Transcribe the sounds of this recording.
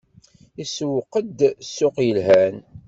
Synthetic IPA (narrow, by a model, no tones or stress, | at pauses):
iswəqːəd̪sːʊqjəlɦæn